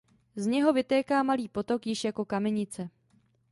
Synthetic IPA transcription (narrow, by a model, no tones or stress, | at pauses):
zɲɛɦo̞vɪt̪ɛːkaːmaliːpo̞t̪o̞kjɪʃjako̞kamɛɲɪt͡sɛ